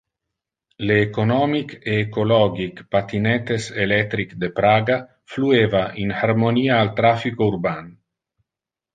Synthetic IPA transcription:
leːkonɔmikeːkolɔɡikpat̪inent̪eselet̪ɾikd̪epɾaːɡa | fluevaʔinhaɾmoniːaːlt̪ɾafikouɾban

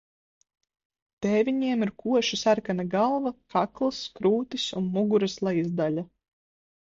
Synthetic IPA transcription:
t̪ɛːvʲiɲiɛmiɾkuɔʃisaɾkanaɡalˠvakʰaklˠɨskɾuːt̪isunmuɡuɾɨslˠajzd̪alʲa

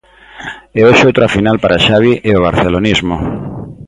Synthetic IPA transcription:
eoʃowt̪ɾafinalpaɾaʃaβiʔeoβ̞aɾθelonizmo

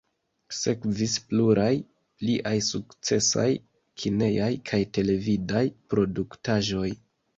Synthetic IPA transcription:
se̞kvispluɾaj | pliʔajsukt͡se̞sa̰j | kʰine̞jajkʰajte̞le̞vidajpɾo̞duktaʒo̞j

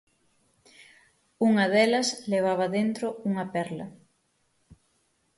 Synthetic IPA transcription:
uŋɐðɛlɐsleβ̞aβ̞ɐðent̪ɾouŋɐpɛɾlɐ

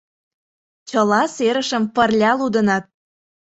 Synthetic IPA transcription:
t͡ɕəlɑseɾəʃəmpərlʲɑlud̪ə̆nɑt̪̚

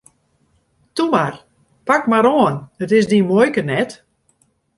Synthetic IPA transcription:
tumar | pakmaɾoənətɪsdimojkənɛt

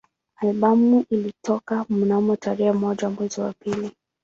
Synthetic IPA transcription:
alɓamuʔilitɔkamunamɔtaɾɛamɔʄamwɛziwa̰pili

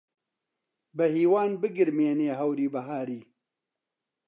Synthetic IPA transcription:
bɐhiːwaːnbɨɡɨɾmeːneːɦɐwɾiːbɐɦaːɾiː

